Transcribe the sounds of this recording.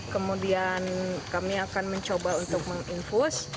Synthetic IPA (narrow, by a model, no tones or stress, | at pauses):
kəmudiankamiakanməɲt͡ʃobaunt̪ʊk̚məŋinfus